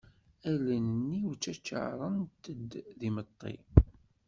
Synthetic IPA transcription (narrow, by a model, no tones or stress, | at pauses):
ælænənːiwt͡ʃːæt͡ʃːə̰ʕɾˤənt̪əd̪ðimət̪ˤːḭ